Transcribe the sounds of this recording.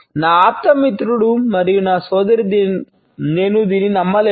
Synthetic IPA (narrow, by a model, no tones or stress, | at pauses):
naːaːt̪ːɐmit̪ɾuɽumɐɾijunaːsɔːd̪ɐɾid̪i | ne̞ːnud̪iːninɐmːɐle